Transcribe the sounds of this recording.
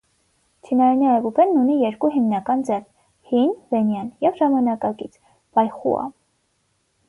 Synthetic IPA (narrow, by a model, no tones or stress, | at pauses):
t͡ʃʰinɑinɛɛbubɛnːunijɛɾkuɦimnɑkɑnd͡zɛr | hinvɛnjɑnjɛvʒɑmɑnɑkɑkit͡sʰ | v̥ɑjχṵɑ̰